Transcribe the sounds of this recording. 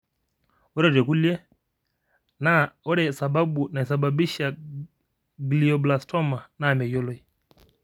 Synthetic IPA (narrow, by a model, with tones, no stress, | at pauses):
ɔ˦ɾɛ˦˨d͡ʒwɛ˨ku˦ljɛ˦ | na˦ɔ˦ɾɛ˨sa˨ba˦ɓu˨na˨i˨sa˨ba˨bi˦ʃa˨ | ɡli˨ɔ˨bla˨stʰɔ˦ma˨na˦˨mɛ˨jɔ˦lɔ˦i˨